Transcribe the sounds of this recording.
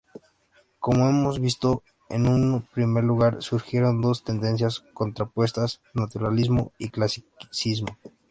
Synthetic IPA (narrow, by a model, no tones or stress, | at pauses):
ko̞moe̞mo̞zβist̪o̞ | ḛnũnpɾime̞ɾluɣaɾsuɾxje̞ɾo̞nd̪o̞st̪e̞nd̪e̞ns̬jasko̞nt̪ɾapwe̞st̪as | nat̪uɾalizmo̞̰iklasiksizmo̞